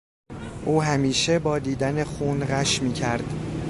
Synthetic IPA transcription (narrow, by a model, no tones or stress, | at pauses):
ʔuːɦæmiːʃebɒːd̪iːd̪æne̞xuːnɢæʃmiːcʰæɾd̪̥